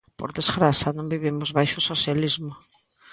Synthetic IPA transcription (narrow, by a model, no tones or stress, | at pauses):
po̰ɾðezɣɾasanõŋbiβ̞imʊzβajʃʊsosjalizmʊ